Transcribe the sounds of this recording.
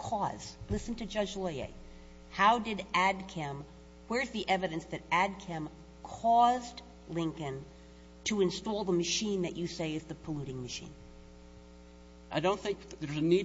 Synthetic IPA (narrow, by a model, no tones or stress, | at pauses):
kʰɔz̥lɪsn̩tʰɨd͡ʒʌd͡ʒleɪḛɪ | haʊdɨɾæd̚kʰɛ̃m | wə˞ɨzðiʔɛvɨɾɨ̃nsðɨɾæd̚kʰɛ̃m | kʰɔz | lɪ̃ŋkɨ̃n | tʰəɨ̃nstɔlˠðəmɨʃĩnðɨt͡ʃɨseɪɨzðɨpʰəluɾɪ̃ŋmɨʃḭ̃n | ʔaɪdõʊ̃nθɪ̃ŋk̚ðə˞zɨni